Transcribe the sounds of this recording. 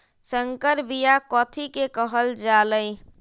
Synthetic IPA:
səŋkəɾbijakɔt̪ʰikekəɦəld͡ʒaləɪ

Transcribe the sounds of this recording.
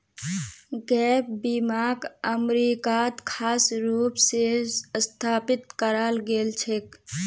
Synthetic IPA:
ɡɛːp̚bimaːɡəmɾikat̪kʰaːsɾuːpsest̪ʰaːpɪt̪kəɾalɡelt͡ʃʰek

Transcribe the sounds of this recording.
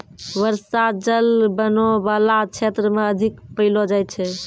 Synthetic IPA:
wəɾsad͡ʒəlbənobalat͡ʃʰet̪ɾəmeəd̪ʱikpəɪlod͡ʒajt̪t͡ʃʰɛ

